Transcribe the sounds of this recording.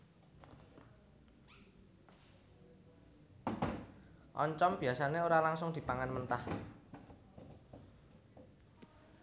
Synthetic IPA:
ʔɔ̰ɲt͡ʃɔmb̥i̤asaneoɾalaŋsʊŋd̪i̤paŋanmənt̪ah

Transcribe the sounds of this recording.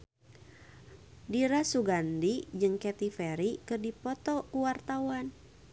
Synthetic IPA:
diɾasuɡandid͡ʒɨŋkɛt̪ifɛɾikɨrdipɔt̪ɔkuwart̪awan

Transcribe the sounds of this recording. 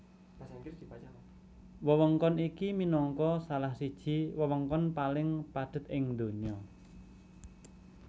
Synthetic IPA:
wəwɔŋkɔnikiminɔŋkɔsalahsid̥ʒ̥i̤wəwɔŋkɔnpalɪŋpaɖ̪̥ə̤t̪̚ɪŋd̪o̤ɲɔ

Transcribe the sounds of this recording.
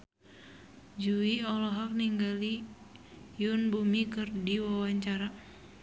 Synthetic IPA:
d͡ʒuiɔlɔɦak̚niŋɡali | jʊnbumikɨrdiwawaɲt͡ʃaɾa

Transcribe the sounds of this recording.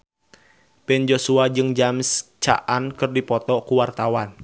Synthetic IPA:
bɛnd͡ʒosuad͡ʒɨŋd͡ʒamst͡ʃa̰ʔankɨrdipɔt̪ɔkuwart̪awan

